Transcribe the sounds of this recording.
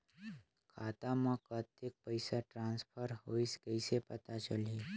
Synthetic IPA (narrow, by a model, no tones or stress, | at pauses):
kʰat̪amãkət̪ek̚pəjsaʈɾãnspʰəɾɦoiskəjsepət̪at͡ʃəli